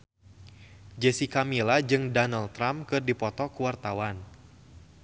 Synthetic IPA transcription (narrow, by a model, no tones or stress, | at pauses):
d͡ʒɛsikamilad͡ʒɨŋdɔnalt̪ɾamkɨrdipɔt̪ɔkuwart̪awan